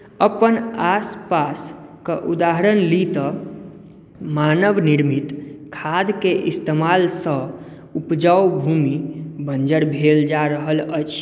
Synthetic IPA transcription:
əpənaspaskeʔud̪aɦəɾənlit̪ə | manəʋniɾmit̪kʰad̪keʔist̪emalsə̃ | upd͡ʒəwbʱumibənd͡ʒəɽbʱeld͡ʒaɾəɦələt͡ʃʰ

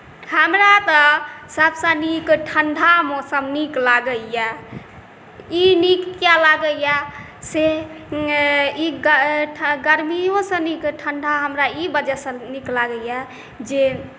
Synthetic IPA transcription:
həmɾat̪əsəbsə̃nikʈʰəɳɖʱamosəmniklaɡəja | inikkjalaɡəja | se | iɡəɡəɾmijõsə̃nikʈʰəɳɖʱaɦəmɾaibəd͡ʒasə̃niklaɡəja | d͡ʒe

